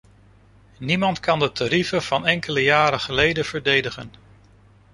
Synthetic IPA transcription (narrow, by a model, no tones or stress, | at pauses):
nimɑntkɑndətaɾivəv̥ɑnɛŋkʰələjaːɾəχəlejdəv̥əɹdejdəχən